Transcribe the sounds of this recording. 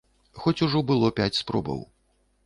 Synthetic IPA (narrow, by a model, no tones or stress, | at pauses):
xɔt͡sʲuʐɔbɨlˠɔpʲat͡sʲspɾɔ̰bɐ̰w